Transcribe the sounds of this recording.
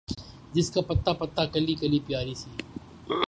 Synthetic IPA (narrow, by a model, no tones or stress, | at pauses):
d͡ʒɪskaːpət̪ːaːpət̪ːaːkəliːkəliːpɪjaːɾiːsiː